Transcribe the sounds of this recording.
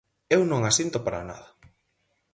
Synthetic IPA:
ewnõŋasint̪ʊpaɾa̰na̰ðɐ

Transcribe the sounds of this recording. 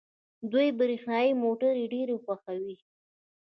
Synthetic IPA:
d̪ujbəɾixnɑjimoʈaɾeɖeɾexwaxawi

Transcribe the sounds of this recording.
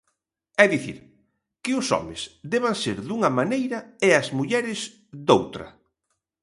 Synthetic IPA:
ɛðiθḭɾ | kɪʊsɔ̰mɪ̰sd̪ɛβaŋseɾðuŋɐmanejɾɐeɐzmuʎɛɾɪz | d̪owt̪ɾɐ̰

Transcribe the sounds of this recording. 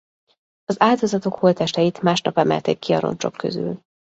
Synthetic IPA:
ɒzaːld̪ozɒt̪o̞kholt̪ɛʃt̪ɛjit̪maːʃnɒpɛmɛ̰lt̪ḛːkːiɒɾo̰nt͡ʃo̞kːø̞zy̰l

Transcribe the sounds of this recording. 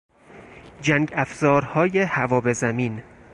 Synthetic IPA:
d͡ʒæŋɡæfz̥ɒːɾhɒːjehævɒːbezæmiːn

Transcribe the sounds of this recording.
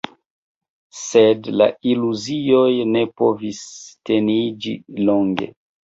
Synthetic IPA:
sedla̰iluziojne̞po̞vistenid͡ʒḭloŋɡḛ

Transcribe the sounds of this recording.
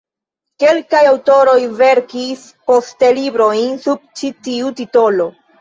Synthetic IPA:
ke̞lkajawto̞ɾo̞jve̞ɾkis | po̞stelibɾo̞jnsub̚t͡ʃitiutito̞lo̞

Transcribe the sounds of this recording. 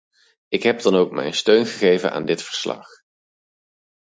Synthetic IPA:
ɪkɦɛb̚dɑnowk̚mɛ̰jnstøɥnχəχejvə̰nʔa̰ːndɪtfəɹslɑ̰χ

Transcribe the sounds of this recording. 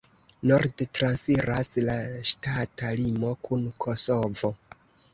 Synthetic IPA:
no̞ɾdtɾansiɾaslaʃtatalimo̞kunkʰo̞so̞vo̞

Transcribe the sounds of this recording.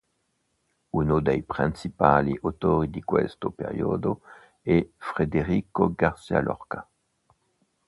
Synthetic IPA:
unod̪ejpʁĩnsipaliʔot̪oɾid̪ikwɛ̰st̪opeʁjoːd̪o | ɛfʁed̪eʁikoɡaʁsia̰lʔɔ̰ʁka

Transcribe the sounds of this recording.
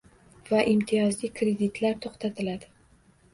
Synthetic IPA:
vaʔimt̪ʰɪjɒzlɪkɾe̞d̪ɪt̪ʰlaɾt̪ʰoχt̪ʰat̪ʰɪlad̪̥ɪ

